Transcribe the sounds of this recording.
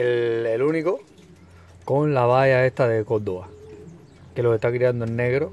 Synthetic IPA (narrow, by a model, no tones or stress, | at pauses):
eleluniko | ko̞nlaβaʝae̞st̪aðe̞kod̪oβa | ke̞lo̞se̞ht̪akɾiand̪oẽnːe̞ɣɾo